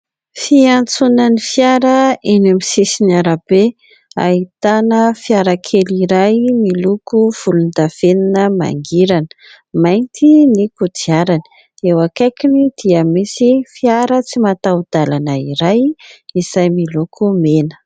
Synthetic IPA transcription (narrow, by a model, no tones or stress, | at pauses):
fiant͡sunənifjaɾəenamisisiniaɾab̥e | a̰it̪anəfiaɾakʰeliɾajmilukuv̥ulund̪av̥eninəma̰ŋɡiɾanə̥ | majnt̪inikudiaɾani̥ | ewakajkinid̪̥iəmisifiaɾət͡simat̪awd̪̥alanəiɾajizajmilukʰumenə̥